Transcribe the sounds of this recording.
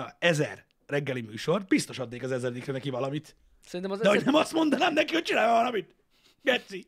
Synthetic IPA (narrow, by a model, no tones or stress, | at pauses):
ɛzɛ̰rː | ɛɡːɛlimyːʃo̞rbist̪o̞ʃɒd̪neːkɒzɛzɛɾd̪ikrɛnɛkivɒlɒmit̪ | sɛɾint̪ɛmdɛɦo̞ɟnɛmɒst̪mo̞nd̪ɒnaːmnɛkiho̞c̚t͡ʃinaːjovɒlɒmit̪ | ɡɛt̪si